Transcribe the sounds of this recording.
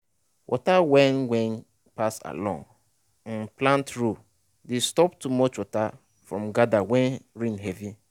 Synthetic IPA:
wʔɔ̰tawɛ̃nwɛ̃n | pasa̰lɔ̰̃ŋ | nplãntɹu | destɔp̚tumɔt͡ʃwɔta | fɹɔ̃mɡadawɛ̃nɾĩnɦɛvi

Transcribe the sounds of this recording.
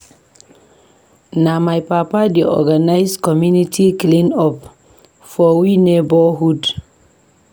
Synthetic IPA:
namajpapadiʔɔ̰ɡanajskɔmunitʰiklinɔp | fɔwinebɔɦud

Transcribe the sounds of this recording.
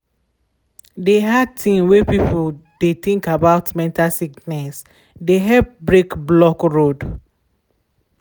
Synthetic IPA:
deɦadtʰĩmwepipʰodet̪ĩŋkabaʊtmɛ̃ntʰasiknɛs | deɦɛp̚bɹekblɔkɹod

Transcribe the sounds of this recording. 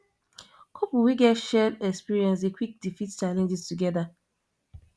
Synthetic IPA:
kʰopuwiɡɛtʃɛdɛkspiɹiɛ̃ns̬ekʰʷwik̚difitt͡ʃalẽnd͡ʒistuɡɛða

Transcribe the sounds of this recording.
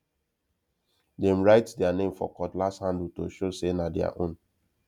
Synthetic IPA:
dɛ̃mɹaɪtdɛanẽmfɔ̰kɔtlasthãndl̩to̰ʃosenadɛa̰ʔõn

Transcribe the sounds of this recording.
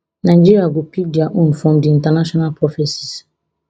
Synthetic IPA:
nãd͡ʒiɾiaɡopik̚diaʔũnfɔmdiĩntɛnaʃɔnalpɾɔfɛsi̥s

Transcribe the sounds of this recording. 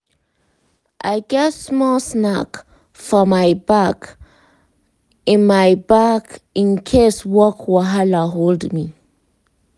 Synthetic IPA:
ʔajɡɛtsmɔlsnak | fɔmajbak | ɪ̃nmajbakĩnkʰeswɔkʰwɔɦalaɦoldmi

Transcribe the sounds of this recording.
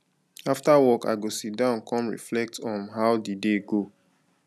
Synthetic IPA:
aftawɔka̰ɪɡosit̚dãʊ̃nkʰɔ̃mɹḭflɛk̚tʰɔ̃nɦaʊdideɡo

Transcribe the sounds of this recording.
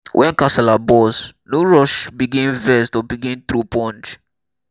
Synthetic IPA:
wʔɛ̃nkãsɛlabɔsnuɹɔʃbiɡɛ̃nvɛstɔbiɡɛ̃nt̪ɾupʰɔ̃nt͡ʃ

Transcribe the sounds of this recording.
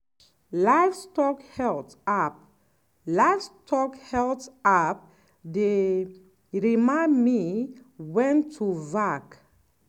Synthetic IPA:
laɪfstɔkhɛlt | ap̚ | lafstʰɔkhɛltap̚ | de | ɹimãmi | wɛ̃ntʰːuvak

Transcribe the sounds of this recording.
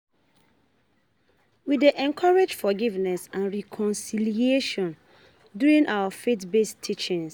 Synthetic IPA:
wideʔɛ̃ŋkʰaɹed͡ʒfɔɡivnɛsãnɹikʰɔ̃nsiliieʃɔ̃n | djuɹĩnʔawafetbestʰːit͡ʃɪ̃ŋs

